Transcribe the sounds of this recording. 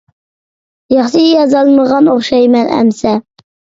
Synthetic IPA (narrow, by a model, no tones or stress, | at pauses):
jɑχʃɨijɑzɑlˠməʁɑnoχʃɑjmɛnæ̰msɛ